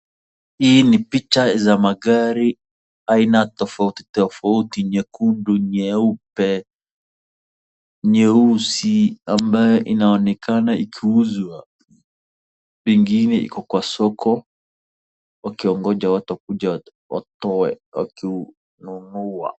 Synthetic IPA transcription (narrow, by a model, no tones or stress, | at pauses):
hiːnipit͡ʃazamaɡaɾi | ainatɔfauti̥tɔfautiɲɛkunduɲɛupɛ | ɲɛusiambajɔʔinaɔnɛkanaikʰiuzwa | ɓiŋɡinɛḭkɔkwasɔkʰɔ | wakiɔŋɡɔd͡ʒawatɔkud͡ʒa | wa̰tɔɛwa̰ki | nunua̰